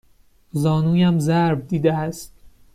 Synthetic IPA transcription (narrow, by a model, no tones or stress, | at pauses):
zɒːnuːjæmzæɾb̚d̪iːd̪eæst̪